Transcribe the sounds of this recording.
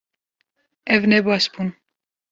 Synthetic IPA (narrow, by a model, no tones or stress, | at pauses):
ɛvnɛbɑsbun